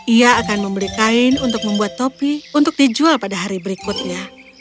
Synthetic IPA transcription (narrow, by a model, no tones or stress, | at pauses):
iaːkanməmilikaɪnunt̪ʊk̚məmbuat̪ːopiunt̪ʊk̚did͡ʒualpadaɦaɾibəɾikʊt̪̚ɲa